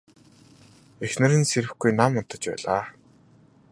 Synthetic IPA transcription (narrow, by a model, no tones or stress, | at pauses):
exnɘ̆ɾɘ̆nseɾɘ̆xɡujnamːʊnt̪ə̆t͡ɕpæ̰ːɮaː